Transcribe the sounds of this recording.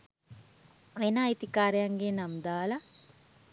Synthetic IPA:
ʋenaːjt̪ikaːɾejɐŋɡeːnɐmd̪aːlɐ

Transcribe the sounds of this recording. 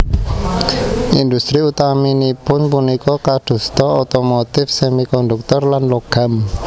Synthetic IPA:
ind̪ust̪ɾiut̪aminipʊnpunikɔkaɖ̪̥ṳst̪ɔot̪omot̪ɪfsemikɔnd̪uk̚t̪ɔrlanloɡ̥a̤m

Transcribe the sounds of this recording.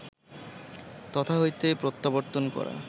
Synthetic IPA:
t̪ɔt̪ʰaɦojt̪epɾot̪ːaboɾt̪onkɔ̰ɾa̰

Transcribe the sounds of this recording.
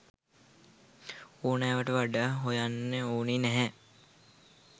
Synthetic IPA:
oːnɛːʋəʈəʋaɖaːɦojanːeoːninɛɦɛ

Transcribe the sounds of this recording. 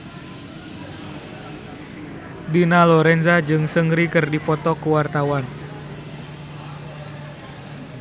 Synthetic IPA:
dinalɔɾɛnzad͡ʒɨŋsəŋɾikərdipɔt̪ɔkuwart̪awan

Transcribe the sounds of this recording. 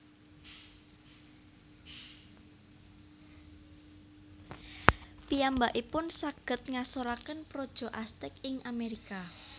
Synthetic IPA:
piambaʔipʊnsaɡ̥ə̤t̪̚ŋasoɾakənpɾod̥ʒ̥ɔ̤ʔast̪ɪkɪŋʔameɾika

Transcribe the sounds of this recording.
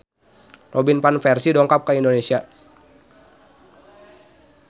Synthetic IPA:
rʔɔbinpanfɛrsidɔŋkap̚kaindonesia

